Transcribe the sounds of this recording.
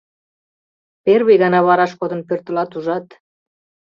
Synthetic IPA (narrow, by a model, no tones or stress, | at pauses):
perβejɣɑnɑβɑɾɑʃkod̪ə̆npørt̪ə̆lɑt̪uʒɑt̪